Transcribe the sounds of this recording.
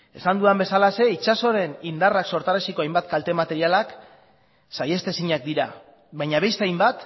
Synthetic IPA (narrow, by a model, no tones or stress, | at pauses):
e̞sand̪uambe̞salase̞it͡ʃaso̞ɾe̞nind̪arakso̞ɾt̪aɾesiko̞ajmbat̪kalt̪e̞mat̪e̞ɾialak | saje̞st̪e̞siɲak̚d̪iɾa | βaɲaβe̞st̪eajmbat̪